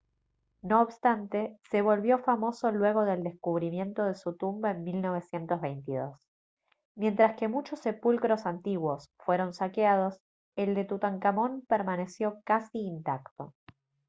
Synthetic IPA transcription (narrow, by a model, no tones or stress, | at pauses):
no̞ːβst̪ant̪e̞se̞β̞o̞lβjo̞famo̞so̞lwe̞ɣ̞o̞ðe̞ld̪e̞skuβɾimjẽ̞nt̪o̞ð̞e̞sut̪umbaenmilno̞β̞e̞sje̞nt̪ozβejnt̪iðo̞s | mje̞nt̪ɾaske̞mut͡ʃo̞sːe̞pulkɾo̞sant̪iɣwo̞sfwe̞ɾo̞nsakeað̞o̞s | eld̪e̞t̪ut̪aŋkamo̞npeɾmane̞sjo̞kasiːnt̪akt̪o̞